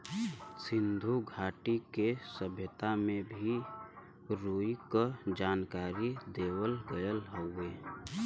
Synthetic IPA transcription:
sɪnd̪ʱuɡʱaʈikesəbʱjət̪amẽbʱi | ɾuikəd͡ʒaːnkaɾid̪ewəlɡəjəlɦəʊe

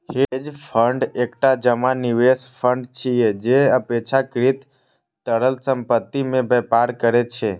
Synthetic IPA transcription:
hed͡ʒfʰəɳɖekʈad͡ʒəmaniʋesfʰəɳɖt͡ʃʰied͡ʒeəpet͡ʃʰakɾit̪ː | əɽəlsəmpət̪ːimẽbepaɾkəɾet͡ʃʰe

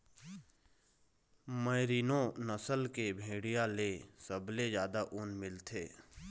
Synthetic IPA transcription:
məɪɾiːnõnəsəlkebʱeːɽijãlesəblezjaːd̪aʔʊːnmɪlt̪ʰeː

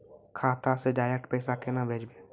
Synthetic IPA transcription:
kʰaːt̪aseɖaːɾɛk̚ʈpɛːsakenabʱeːd͡ʒbe

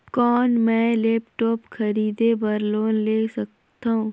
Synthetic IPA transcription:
kɔːnmɛ̃ːlɛːpʈɔːpkʰɐɾiːd̪ebɐɾloːnleːsɐk̚ | t̪aɦũː

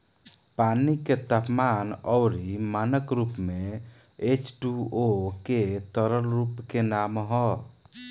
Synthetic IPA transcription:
paniket̪apmanɔwɾimanəkɾupme | et͡ʃʈuoket̪əɾəlɾupkenamɦɔ

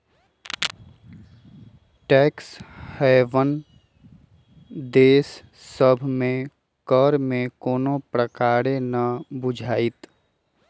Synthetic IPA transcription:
ʈɛːkshɛʋən | d̪eːs | səbʱmẽ | kəɾmẽkoːnõpɾəkaːɾenəbʊd͡ʒʱaːit̪

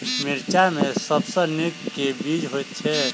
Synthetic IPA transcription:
miɾt͡ʃamesəbsə̃nikːebid͡ʒɦojt̪̚t͡ʃʰɛ

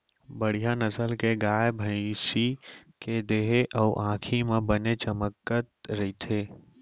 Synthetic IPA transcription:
bəɽ̤ijanəsəlkeɡaːjbʱə̃ɪsiked̪eɦeʔɔːʔãːkʰimẽbənet͡ʃəməkːət̪ɾɐit̪ʰeː

